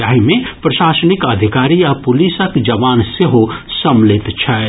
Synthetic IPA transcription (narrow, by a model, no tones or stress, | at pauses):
aːɦimẽpɾɐʃaːsənikɐd̪ʱikaːɾiapʊlisəkd͡ʒɐʋaːnseɦosəmlɪt̪t͡ʃʰɐ